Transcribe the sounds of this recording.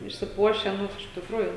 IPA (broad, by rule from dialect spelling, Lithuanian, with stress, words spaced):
ɪʃʲsʲɪˈpuɔʃʲæː ˈnʊ ɪʃ tʲɪkˈruːjuː